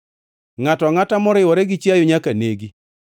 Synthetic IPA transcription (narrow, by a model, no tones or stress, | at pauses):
ŋatɔŋatamɔɾɪwɔɾɛɡɪt͡ʃajʊɲakaneɡi